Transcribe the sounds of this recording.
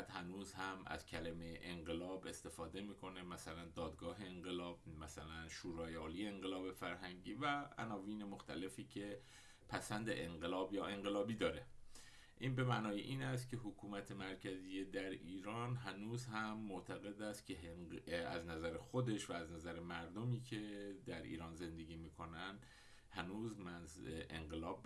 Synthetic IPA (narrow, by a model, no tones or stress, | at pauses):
t̪hænuːzhæmæ̰z̥cʰælemejʔeŋɢe̞lɒːbe̞st̪e̞fɒːd̪e̞miːkʰo̞ne̞mæsælænd̪ɒːd̪ɡɒːɦe̞ːŋɢe̞lɒːb̥̚mæsælænʃuːɾɒːjɒːliːjeeŋɢelɒːbe̞fæɾɦæŋɟiːvææ̰nɒːviːne̞mo̞xt̪ʰæle̞fiːcʰe̞ | pʰæsænd̪ḛʔeŋɢe̞lɒːbjɒːʔe̞ŋɢe̞lɒːbiːd̪ɒːɾe̞ | ʔiːnbe̞mænɒːjeʔiːnæst̪̚cʰʲe̞ɦokʰuːmæt̪ʰe̞mæɾcʰæzijed̪æɾiːɾɒːnɦænuːzhæmːoʔt̪ʰæɣe̞d̪æst̪̚cʰe | æ̰znæzæɾexod̪e̞ʃvæːznæzæɾemæɾd̪omiːcʰe̞d̪æɾʔḭːɾɒːnze̞nd̪e̞ɡiːmiːkʰo̞nænd̪ | hænuːzmæzʔḛŋɢe̞lɒːb̚